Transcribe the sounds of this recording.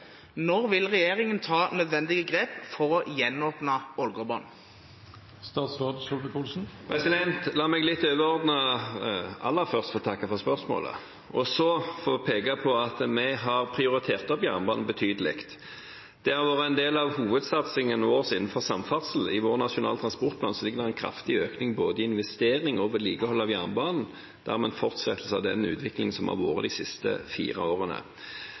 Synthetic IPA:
nɔʁʋɪlʁɛjeːʁɪŋənt̪ʰɑːnœd̪ʋɛnd̪ɪɡəɡʁeːpfɔʁɔjɛnoːpnɑɔlɡɔbɑn | st̪ɑːt̪sʁɑːd̪sɔlməkʰulsn̩pʰʁɛsɪd̪ɛnt̪lɑːmɛɡlɪt̪ːøːʋəɾɔʁd̪nə | ɑ̰lːəfœʁst̪fɔt̪ʰɑkːɑfɔʁspœʁsmo̰ːlə̰ | ɔsɔfoːpʰeːkɑpʰɔɑt̪mɛɦɑʁpʰʁɪʊɾɪt̪ʰeːʁt̪ɔpjæːʁnəbɑːnn̩bət̪ʰyːd̪əlɪ̰kt̪ | d̪̥ɛɑʁʋoːʁəɛnd̪eːlɑʋhuːʋəd̪sɑt̪sɪŋənoːʁsɪnn̩fɔʁsɑmfɑt̪səl̩ɪʋoːʁnɑʂʊnɑ̰ːlət̪ʰʁɑnspɔʁt̪pʰlɑːnsɔlɪɡːəd̪ɛʁɛnkʰɾɑ̰ft̪ɪøːknɪŋboːd̪əɪɪnʋɛst̪eːɾɪŋɔʋəliːɡəhɔlːɑʋjæːʁnəbɑːnn̩ | d̪̥æ̰ʁmɛnfɔʁt̪sɛt̪l̩səɑʋd̪ɛnʉ̰ːt̪ʰʋɪklɪŋəsɔmhɑ̰ʁʋo̰ːɾə̰d̪ɪsɪst̪ə̰fḭːʁɑ̰oːʁənə̰

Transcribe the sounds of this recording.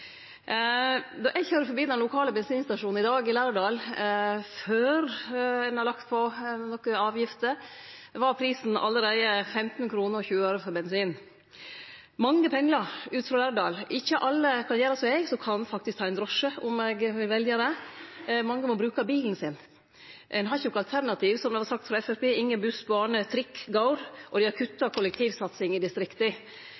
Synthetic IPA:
d̪ɔʔɛɡçøːɾəɾfɔɾbiːd̪ɛnlʊkʰɑːləbɛnsiːnst̪ɑʂuːn̩ɪd̪ɑːɡɪlæːɾɖɑːl | føːɾɛnɑɾlɑkt̪pʰɔnɔkːəɑːʋjɪft̪əʋɑɾpʰɾiːsn̩ɑ̰lːəɾeɪəfɛmt̪n̩kʰɾuːnəɾɔçʉːəøːɾəfɔɾbɛnsiːn | mɑŋːəpʰɛŋːləʉːt̪fɾɑlæɖ̪ɑːlɪçːəʔɑlːəkʰɑnjæːɾəsɔɛɪɡsɔkʰɑnfɑk̚t̪ɪsk̚t̪ʰɑːɛnd̪ɾɔʂəʊmɛɡʋɪlʋɛljəɾə | mɑŋːəmɔbɾʉːkɑbiːln̩sɪn | ʔɛnɦɑçʊkɑlt̪ʰæɾnɑt̪ʰiːʋsɔmd̪ɛʋɑɾsɑk̚t̪fɾɑɛfæpeːɪŋːənbʉsbɑːɳət̪ʰɾɪkːɡɑʊɾʔɔd̪ɪɑɾkʰʉt̪ːɑkʰɔlək̚t̪ʰiːʋsɑt̪sɪŋɪd̪ɪst̪ɾɪkt̪ə

